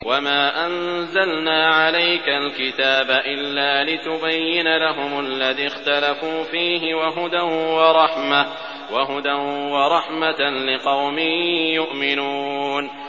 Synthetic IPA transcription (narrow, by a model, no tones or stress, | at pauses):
wamaːʔanzalnaːʕalajkalkɪt̪aːbaʔɪlːaːlɪt̪ʊbajːɪnalaɦʊmlːaðiːxt̪alafuːfiːɦɪwaɦʊd̪anwɑɾˤɑħma | waɦʊd̪anwɑɾˤɑħmat̪lɪqɑwmɪːjʊʔmɪnuːn